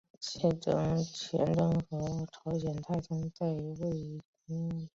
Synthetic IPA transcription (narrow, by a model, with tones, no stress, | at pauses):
t͡ɕʰjɛ˥˩ʈ͡ʂɤ˥˩ŋt͡ɕʰjɛ̰˧˥nʈ͡ʂɤ˥ŋxɤ˧˥ʈ͡ʂʰɑ˧˥ʊɕjɛ˨˩nt̪ʰa˥˩ɪʈ͡ʂɤ˥ŋt͡sa˥˧ɪ˧we˥˩ɪ˥ku˥